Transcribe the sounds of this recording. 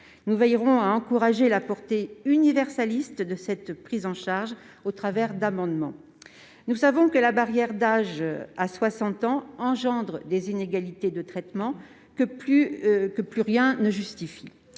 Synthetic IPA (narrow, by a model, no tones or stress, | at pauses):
nuvɛjʁɔ̃aɑ̃kuʁaʒelapɔʁt̪eynivɛʁsalist̪d̪əsɛt̪pχizɑ̃ʃaʁʒ | ot̪χavɛʁd̪amɑ̃d̪mɑ̰̃ | nusavɔ̃kəlabaʁjɛʁd̪aʒaswasɑ̃t̪ɑ̃ɑ̃ʒɑ̃d̪ʁəd̪ezineɡalit̪ed̪ət̪χɛt̪mɑ̃ | kəpykəplyʁjɛ̃nəʒyst̪ifi